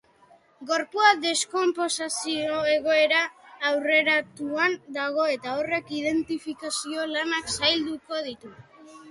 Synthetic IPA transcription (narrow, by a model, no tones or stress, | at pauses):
ɡo̞ɾpuaðe̞sko̞mpo̞sasio̞e̞ɣ̞o̞e̞ɾaːwre̞ɾat̪uand̪aɣ̞o̞e̞t̪ao̞re̞kið̞e̞nt̪ifikasio̞lanaksajld̪uko̞ð̞it̪u